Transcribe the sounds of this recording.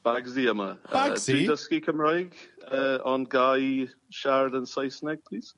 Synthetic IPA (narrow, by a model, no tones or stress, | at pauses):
b̥aɡziəmədiːdəskikʰəmɹajɡəɔnɡaj | ʃaɹd̪ənsajsnɛɡ̥̚pʰliːs